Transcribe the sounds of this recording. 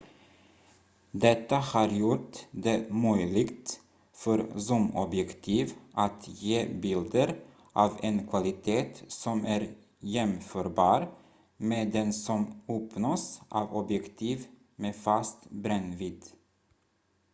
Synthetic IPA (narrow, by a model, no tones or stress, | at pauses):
d̪ɛt̪ːahɑːɾjʊʈd̪emœjlɪɡt̪ | fœɾsɔmɔbjɛkt̪ʰiːvʔat̪jeːbɪld̪əɾ | ʔɑːvenkʰvalɪt̪ʰeːt̪sɔmæːɾ | jɛmføːɾbɑːɾ | meːd̪ɛnsɔmɔːpnosʔɑːvɔbjɛkt̪ʰiːv | meːfast̪bɾɛnviːd̪